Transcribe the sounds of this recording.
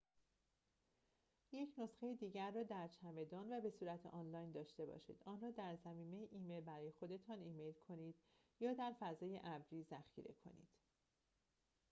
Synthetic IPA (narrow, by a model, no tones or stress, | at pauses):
je̞cʰno̞sxejid̪iːɟæɾːɒːd̪æɾt͡ʃʰæme̞d̪ɒːnvæbe̞suːɾæt̪ʰeʔɒːnlɒːjnd̪ɒːʃt̪e̞bɒ̰ːʃḭːd̪̥ʔɒːnrɒːd̪æɾzæmiːme̞jeʔiːmejlbæɾɒːje̞xo̞d̪e̞t̪ʰɒːniːme̞jlkʰo̞niːd̪̥ | jɒːd̪æɾfæzɒːje̞ʔæbɾiːzæxḭɾe̞̰kʰo̞̰nḭːd̪̥